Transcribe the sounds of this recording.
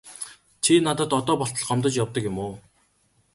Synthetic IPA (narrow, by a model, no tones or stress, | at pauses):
t͡ɕʰinat̪ə̆t̪ɔt̪ɔːpɔɬt̪ɞ̆ɮɢɔmt̪ə̆t͡ɕjawt̪ə̆kjʊmoː